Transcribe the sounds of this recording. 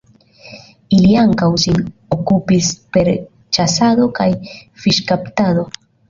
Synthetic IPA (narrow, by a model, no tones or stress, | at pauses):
iliaŋkawsinokupispe̞ɾ | t͡ʃasado̞kajfiʃkaptado̞